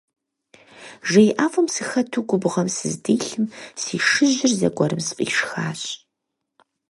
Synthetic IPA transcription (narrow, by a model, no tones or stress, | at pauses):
ʒejʔaːfɐmsɨxɐtʰuːɡʷʊbʁɐmsɨzdiːɬɨmsiːʂɨʑɪrzɐ̰ɡʷɔɾɨmsqʼḭːʂxa̰ːɕʼ